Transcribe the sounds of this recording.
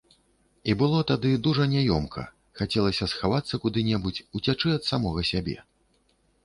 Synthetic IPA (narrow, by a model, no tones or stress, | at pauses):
ibɨlˠɔt̪ad̪ɨd̪uʐɐnʲajɔmkʰɐ̰ | xat͡sʲɛlˠɐsʲɐsxavat̪sːɐkud̪ɨnʲɛbut͡sʲut͡sʲat͡ʂɨɐt̪samɔɣɐsʲabʲɛ̰